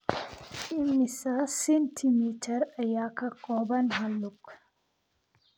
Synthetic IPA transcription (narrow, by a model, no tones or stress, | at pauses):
ʔimːisasentʰimitʰɐɾɐjakakɔːbɐnɦɐlːuk